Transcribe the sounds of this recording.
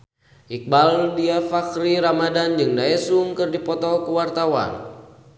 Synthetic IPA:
ʔik̚baldiafakɾiɾamadand͡ʒɨŋdaɛsuŋkɨrdipɔt̪ɔkəwart̪awa̰n

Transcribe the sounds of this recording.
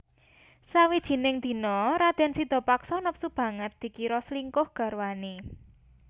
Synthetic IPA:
sawid̥ʒ̥i̤nɪŋd̪̥i̤nɔɾad̪̥ɛ̤nsid̪̥ɔ̤paksɔnɔp̚sub̥ä̤ŋət̪̚d̪̥i̤kiɾɔsliŋkʊhɡ̥a̤ɾwane

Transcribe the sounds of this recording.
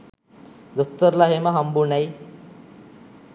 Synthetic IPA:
d̪ot̪ːəɾlaɦeməɦɐmbunaj

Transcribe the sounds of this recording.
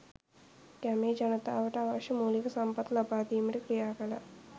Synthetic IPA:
kɐmeːd͡ʒɐnɐt̪a̰ːʋɐʈaʋɐʂɐmuːlikɐsɐmpɐt̪lɐbaːd̪iːmiʈikɾijaːkɐlɐ̰

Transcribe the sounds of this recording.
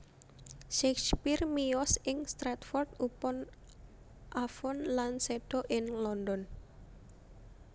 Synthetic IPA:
ʃɛkspirmijɔsɪŋst̪ɾat̪fɔrt̪̚upɔn | ʔafɔnlansɛɖ̥ɔʔɪŋlɔndɔn

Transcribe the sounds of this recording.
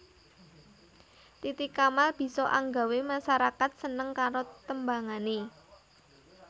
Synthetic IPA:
t̪it̪ikamalb̥i̤sɔʔa̰ŋɡa̤wemaʃaɾakat̪̚sənəŋkaɾot̪əmbaŋane

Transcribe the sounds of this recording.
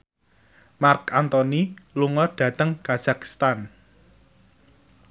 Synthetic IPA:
markant̪ɔniluŋɔɖ̥ä̤t̪əŋkaz̥aki̥st̪an

